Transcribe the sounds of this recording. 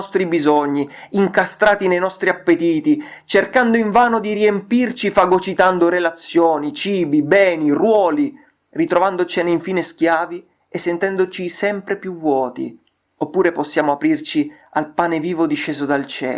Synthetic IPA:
ɔst̪ɾibizɔɲːiiŋkast̪ɾaːt̪inejnɔst̪ɾiapːet̪iːt̪i | t͡ʃerkand̪oiɱvaːnod̪iɾiempirt͡ʃifaɡot͡ʃit̪and̪oɾelat̪sːjoːnit͡ʃiːbibɛːnirwɔːli | rit̪ɾovand̪ot͡ʃeneiɱfiːnesk̟jaːvi | esːent̪ɛnd̪ot͡ʃisɛmpɾepjuvːwɔːt̪ḭ | opːuːɾeposːjaːmoapɾirt͡ʃialpaːneviːvod̪iʃːeːzod̪alt͡ʃɛ̰ː

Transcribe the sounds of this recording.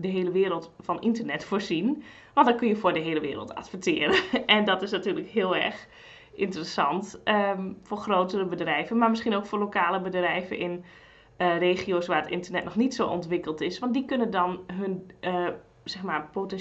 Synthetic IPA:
dəɦeːləʋɪːɾəlˠtfɔnʔintərnɛtfoːrzin | ʋɑntdɔkønjəfʊːdəɦeːləʋɪ̰ːɾə̰lˠtʰa̰tfətɪːəɾəʔɛndɔtɪsnatyːləkɦɪəlˠɛ̰rx | ʔɪntərəsɑntʔəfoːrxrowtərəbədrɛjvənmamɪsχinoːkfʊːrlokaːləbədrɛjvə̰ʔɪn | reːxioːsʋaːətɪntərnɛtnɔxnitsoːʔɔ̰ntʋɪkəlˠtɪsʋɑntdikønəndɔnɦɵnə | sɛxmarpotɛn

